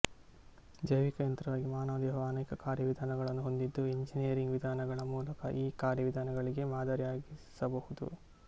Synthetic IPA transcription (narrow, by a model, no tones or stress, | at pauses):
d͡ʒɐjʋikɐjɐnt̪ɾɐʋaːɡimaːnɐʋɐd̪ɛːɦɐʋɐɐnɐjkɐkaːɾjɐʋid̪ʱaːnɐɡɐɭɐnːuɦo̞nd̪id̪ːueɲd͡ʒinijɐɾiŋɡʋid̪ʱaːnɐɡɐɭɐmuːlɐkɐ̰ʔiːkaːɾjɐʋid̪ʱaːnɐɡɐɭiɡe̞maːd̪aːɾjjaːɡisɐbɐhud̪ṵ